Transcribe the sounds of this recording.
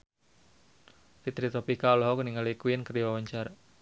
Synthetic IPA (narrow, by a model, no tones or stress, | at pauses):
fit̪ɾit̪ɔpikaɔlɔɦɔkuniŋalikwɪnkəriawaɲt͡ʃar